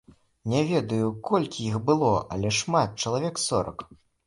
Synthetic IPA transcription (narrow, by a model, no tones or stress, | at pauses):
nʲavʲɛd̪ɐjukɔlʲkʲijixbɨlˠɔʔɐ̰lʲɛʂmat̪̚t͡ʂɐlˠavʲɛksɔɾɐ̰k